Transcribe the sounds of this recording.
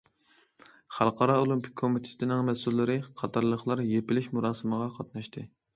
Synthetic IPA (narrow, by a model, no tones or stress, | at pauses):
χɑ̰lˠqʰɑɾɑolˠympʰɪ̥kʲʰːomit̪ʰe̥t̪ʰɪnɪŋmɛsulːɨɾɨqʰɑt̪ʰɑɾlˠəχlˠɑɾjepɪlɪʃmuɾɑːsɨməʁɑqʰɑt̪̚nɑʃt̪ʰɨ